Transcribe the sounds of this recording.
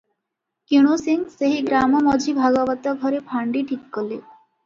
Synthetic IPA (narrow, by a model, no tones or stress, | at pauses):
kiɽ̃osiŋseɦiɡɾamɔmɔd͡ʒʱibʱaɡɔbɔt̪ɔɡʱɔɾepʰaɳɖiʈʰikːɔle